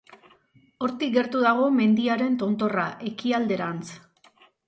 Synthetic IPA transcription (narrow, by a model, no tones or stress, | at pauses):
o̞ɾt̪ikɡe̞ɾt̪uðaɣ̞o̞me̞nd̪iaɾe̞nt̪o̞nt̪o̞raʔe̞kiald̪e̞ɾant͡s